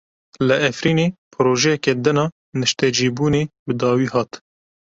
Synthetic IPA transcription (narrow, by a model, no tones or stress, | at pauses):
lɨɛfɾiːneːpʰɨɾoːʒɛjɛkɛd̪ɨnɑː | nɨʃt̪ɛd͡ʒiːbuːneːbɨd̪ɑːwiːhɑːt̪